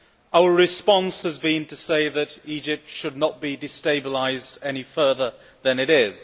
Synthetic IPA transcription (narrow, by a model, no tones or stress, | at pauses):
aʊə˞ɹɨspɑ̃nshɨzbĩntɨseɪðɨɾid͡ʒɪp̚tʃɨdⁿnət̚b̥idɨsteɪbəlaɪzdɛnifɜ˞ðə˞ | ðɨ̃nɨɾɪz̥